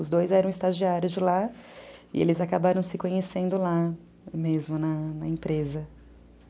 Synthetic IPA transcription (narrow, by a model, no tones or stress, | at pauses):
ʊzd̪ojzɛɾɐ̃w̃ɪst̪aʒiaɾjʊzd͡ʒɪla | ɪ̰ḛlɪzakabaɾɐ̃w̃sɪkõɲesẽnd̪ʊla | mezmʊnɐnɐẽpɾezɐ